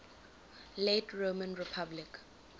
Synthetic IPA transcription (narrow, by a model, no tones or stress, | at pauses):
letʰɹomə̃nɹipʰablik